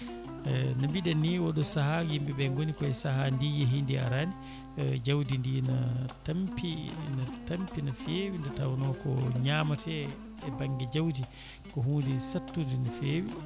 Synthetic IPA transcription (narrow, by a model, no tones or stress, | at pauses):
nambiɗɛnːiwɔɗɔsaɦajimbibɛŋɡonikɔɛsaɦandijeɦindia̰ɾani | d͡ʒawdindinatampinatampinafeːwindɛtawanɔkɔ̰ɲaːmatɛ | ɛbaŋɡɛd͡ʒawdi | kɔɦundinsatːundinafeːwi